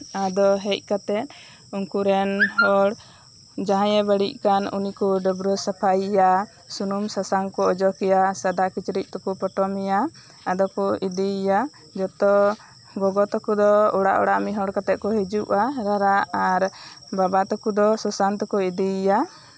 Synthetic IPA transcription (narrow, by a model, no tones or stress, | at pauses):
ad̪ɔɦɛc̚ˀkat̪ɛt̪̚ | uŋkuɾɛnɦɔɽ | d͡ʒaɦãjɛbəɽic̚ˀkanṵnikuɖɔbɾɔsapʰajija | sunumsasaŋkɔɔd͡ʒɔkɛjasad̪akit͡ʃɾic̪̚t̪ukupɔʈɔmija | ad̪ɔkɔid̪ija | d͡ʒɔt̪ɔ | ɡɔɡɔt̪ɔkud̪ɔɔɽa̰ʔɔ̰ɽaʔmiɦɔɽkat̪ɛt̪̚kɔɦɛd͡ʒuʔaɾaɾaaɾbabat̪ɔkud̪ɔsɔsant̪ɔkɔid̪ija